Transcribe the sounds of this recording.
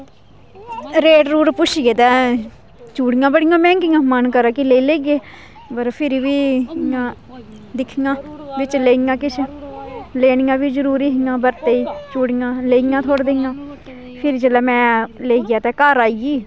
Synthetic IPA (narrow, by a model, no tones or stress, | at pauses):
ɾeːʈɾuːɾpʊʃiɡeːt̪ɛ̃ː | t͡ʃuːɽɪjãːbəɽɪjãːmɛ̃ːŋkɪŋãːmənkəɾaːkɪleːiːleːɡeː | pəɾpʰɪɾiːʋiːjãː | d̪ɪkʰːiŋãːʋɪt͡ʃleːiŋãːkɪt͡ʃʰe | leːnɪjãːʋiːzəɾuːɾiːɦɪŋãːbəɾt̪eːiːt͡ʃuːɽijãːleːijãːt̪ʰoːɽd̪eŋãː | pʰɪɾd͡ʒəlɛːmɛ̃ːleːiɡjaːt̪ɛ̃ːkaːɾaːiɡiː